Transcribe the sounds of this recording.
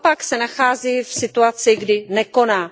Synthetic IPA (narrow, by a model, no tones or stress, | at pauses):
paksɛnaxaːziːfsɪt̪uat͡sɪɡdɪnɛkonaː